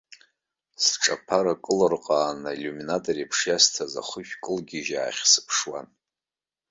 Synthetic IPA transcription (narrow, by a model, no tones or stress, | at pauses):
sʈ͡ʂʼapʰaɾakʼɨlɨrqʼaːnalʲuminatʼoripʰʂjastʰaza̰χəʃᶣkʼɨlɡʲɪʒa̰ːχʲsɨ̥pʰʂwa̰n